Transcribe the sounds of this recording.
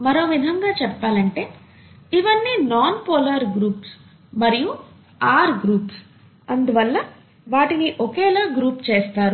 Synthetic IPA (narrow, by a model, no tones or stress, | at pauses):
mɐɾo̞ːʋid̪ʱɐŋɡaːt͡ʃɛpːaːlɐɳʈe̞ː | iʋɐnːiːnaːnpoːlɐɾɡɾuːps | mɐɾiju | aːɾɡɾuːps | ɐnd̪uʋɐlːɐ | ʋaːʈiniʔokɛːlaːɡɾuːpt͡ʃeːst̪aːɾu